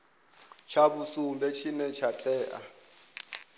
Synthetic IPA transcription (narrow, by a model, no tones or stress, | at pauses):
t͡ʃʰabusumbɛt͡ʃʰinɛt͡ʃʰat͡ɬʼɛːʔa̰